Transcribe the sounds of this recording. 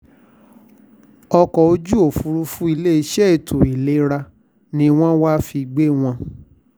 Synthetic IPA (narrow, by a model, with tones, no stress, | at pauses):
ɔ˧kɔ˨o˧˦d͡ʒu˦o˦˨fu˨˧ɾu˦fũ˦i˧le˦i˧ʃɛ˦e˨tʰũ˨i˨le˦ɾa˧ | nĩ˧˦w̃ɔ̃˦wa˦fi˧ɡ͡be˦w̃ɔ̃˧